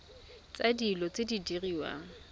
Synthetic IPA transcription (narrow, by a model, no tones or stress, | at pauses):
t͡sʼadilɔt͡sʼɪdidiriːwa̰ŋ̩